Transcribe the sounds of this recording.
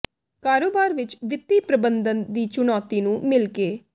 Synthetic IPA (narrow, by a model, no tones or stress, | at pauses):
kaːɾoːbaːɾʋɪt͡ʃʋɪt̪ːiːpɾəbənd̪ənd̪iːt͡ʃʊnɔːt̪iːnũːmɪlkeː